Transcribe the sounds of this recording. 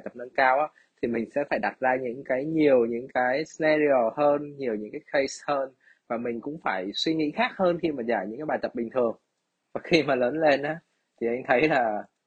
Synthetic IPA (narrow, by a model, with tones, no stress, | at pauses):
jt̪ə˨˩p̚nə˧nkaː˧wʔaː˦˥ | t̪ʰi˨˩mï˨˩ŋ̟sɛ̰˧˥faː˧˩jɗa˨˩t̚zaː˧ɲɨ̰˧˥ŋkaː˨˦jɲi˨˩əwɲɨ̰˧˥ŋkaː˨˦jsnɛ˧zi˧o˨˩həː˧nɲi˨˩əwɲɨ̰˧˥ŋkaː˨˦jxe˧jshəː˧n | vaː˨˩mï˨˩ŋ̟kʊ̰˧˥ŋ͡mfaː˧˩jswi˧ŋḭ˧˥xaː˦˥k̚həː˧nxi˧maː˨˩zaː˧˩jɲɨ̰˧˥ŋkːɓaː˨˩t̪ə˨˩p̚ɓï̟˩t̪ʰɨ˨˩əŋ | vaː˨˩xi˧maː˨˩ləː˨˦nle˧nʔaː˨˦ | t̪ʰi˨˩ʔa˧jŋ̟t̪ʰə˨˦jlaː˨˩